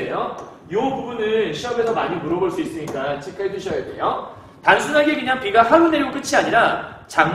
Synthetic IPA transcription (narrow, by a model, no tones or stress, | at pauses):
ejo | jopubunɯnɕʰiʌbe̞sʰʌmaɲimuɾʌboɭs͈uis͈ɯɲik͈at͡ɕʰikʰaed͡ʑuɕʰʌjade̞̰jo | tansʰunɦaɡe̞kɯɲaŋpiɡaɸaɡɯnːeɾiɡok͈ɯt͡ɕʰiaɲiɾat͡ɕaŋ